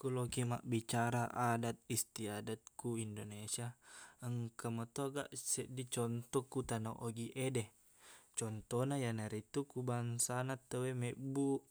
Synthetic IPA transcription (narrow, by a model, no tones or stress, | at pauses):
kulokima̰ʔbit͡ʃaɾaʔadat̪̚ist̪iadat̪̚kuindonesiaəŋkəmət̪oɡa̰ʔsɛʔdit͡ʃɔnt̪ɔkut̪anoʔoɡiʔedɛ | t͡ʃɔnt̪ɔnajanaɾit̪ukubaŋsanat̪ːəwemeʔbu